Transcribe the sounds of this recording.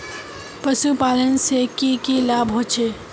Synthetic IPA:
pəsupaːlənsekikilaːbɦot͡ʃʰe

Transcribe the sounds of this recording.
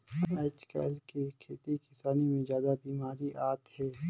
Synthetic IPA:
et͡ʃka̰ːlkikʰeːt̪ikɪsaːnimẽzjaːd̪abiːmaːɾiʔaːt̪hɛː

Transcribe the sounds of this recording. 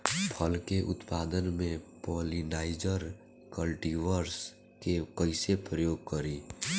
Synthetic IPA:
pʰəlkeʔʊ̰t̪paːd̪ənmẽpɔːlinaːɪd͡ʒəɾ | kəlʈiʋəɾs | kekəɪsepɾəjoːɡ̚kəɾiː

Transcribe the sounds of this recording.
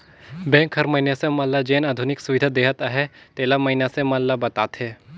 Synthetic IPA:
bɛ̃ːŋkɦɐɾmɐɦinasemɐlːad͡ʒeːnaːd̪ʱʊnɪksʊʋɪd̪ʱad̪eːɦət̪aɦɛt̪eːlamɐɦɪnasemɐlːabɐt̪aːt̪ɦɛː

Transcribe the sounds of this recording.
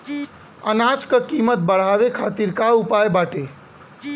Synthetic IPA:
ənat͡ʃkəkimət̪̚bəɽ̤aβekʰat̪iɾkaupajbaʈe

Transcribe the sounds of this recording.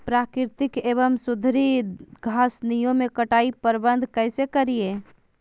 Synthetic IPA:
pɾakɪɾt̪ɪkeβəmsud̪ʱɾiɡʱasnijõmekəʈaipəɾbənd̪ʱkəɪsekəɾije

